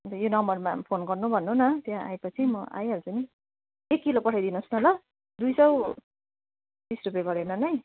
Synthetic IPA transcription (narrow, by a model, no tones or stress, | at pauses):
ʌt̪ʌjonʌmbʌrma̰pʰonɡʌrnubʱʌnːunʌt̪jãʔa̰jpʌt͡sʰimʌʔa̰jɦʌɾut͡sʌni | ekːilopʌʈʰajd̪inusnʌlʌ | d̪ujsʌw | b̪isrupjeɡʌɾenʌnʌj